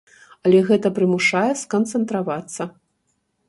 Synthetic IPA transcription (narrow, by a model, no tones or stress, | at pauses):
ɐlʲɛɣɛt̪ɐpɾɨmuʂajɛskɐnt̪sɛnt̪ɾavat̪sːɐ